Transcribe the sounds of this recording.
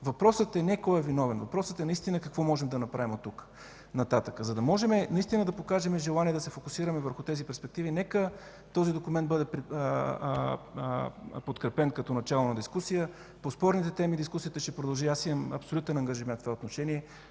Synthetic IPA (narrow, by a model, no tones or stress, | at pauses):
vɐpɾɔsət̪ɛnɛkɔɛvinɔvɛnvɐpɾɔsət̪ɛnɐist̪inəkɐkvɔmɔʒɛmd̪ɐnɐpɾavimot̪ːuk | nɐt̪at̪əkəzɐd̪ɐmɔʒɛmɛnɐist̪inəd̪ɐpokaʒɛmɛʒɛlˠaniɛd̪ɐsɛfokʊsiɾəmɛvəɾxʊt̪ɛzipɛɾspɛk̚t̪ivinɛkə | t̪ɔzid̪okumɛnt̪bɤd̪ɛpɾ | pot̪kɾɛpɛnkɐt̪ɔnɐt͡ʃalˠonɐd̪iskusijə | pospɔɾnit̪ɛt̪ɛmid̪iskusijət̪əʃt̪ɛpɾod̪ɐlˠʒiasimɐmɐ̰psolut̪ɛnɐŋɡəʒimɛnt̪t̪vaot̪noʃɛniɛ